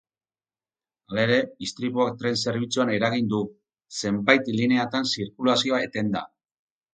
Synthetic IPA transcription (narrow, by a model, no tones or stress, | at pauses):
aleɾe̞ist̪ɾipuak̚t̪ɾe̞nse̞ɾβ̞it͡suane̞ɾaɣ̞ind̪u | se̞mbajt̪line̞at̪ansiɾkulasio̞ae̞t̪e̞nd̪a̰